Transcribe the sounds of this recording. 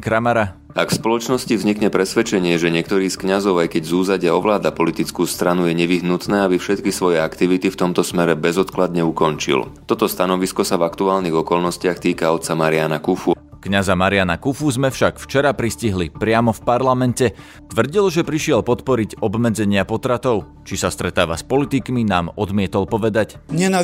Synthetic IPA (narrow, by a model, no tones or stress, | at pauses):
kɾamaɾa | akfspɔlɔt͡ʃnɔscivzɲikɲɛpɾɛsʋɛt͡ʃɛɲɪɛʒɛɲɪɛkt̪ɔɾiːskɲazɔʊajkɛɟzuːzaɟɪaɔʋlaːd̪apɔlit̪it͡skuːst̪ɾanujɛɲɛʋiɦnut̪nɛːabifʃɛt̪kisʋɔjɛakt̪iʋit̪ift̪ɔmt̪ɔsmɛɾɛbɛzɔt̪klad̪ɲɛukɔnt͡ʃḭlt̪ɔt̪ɔst̪anɔʋiskɔsavakt̪uaːlniɣɔkɔlnɔscɪaxt̪iːkaɔt̪̚t͡samaɾɪanakufu | kɲazamaɾɪanakufuzmɛfʃakft͡ʃɛɾapɾisciɦlipɾɪamɔfpaɾlamɛncɛ | t̪ʋr̩ɟilʒɛpɾiʃɪɛlpɔt̪pɔɾiɟɔbmɛd͡zɛɲɪapɔt̪ɾat̪ɔʊ | t͡ʃisast̪ɾɛt̪aːʋaspɔlit̪ikminaːmɔd̪mɪɛt̪ɔlpɔʋɛd̪acɲɛna